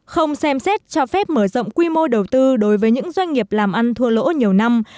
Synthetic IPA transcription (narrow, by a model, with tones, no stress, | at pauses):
xə˧wŋ͡msɛ˧msɛ˦˥t̚t͡ɕɔ˧fɛ˦˥p̚məː˧˩zə̰˧˨wŋ͡mkwi˧mo˧ɗə˨˩wt̪ɨ˧ɗo˨˦jvəː˨˦ɲɨ̰˧˥ŋzwa˧jŋ̟ŋi˨˩əp̚laː˨˩mʔa˧nt̪ʰu˧əlo̰˧˥ɲi˨˩əwna˧m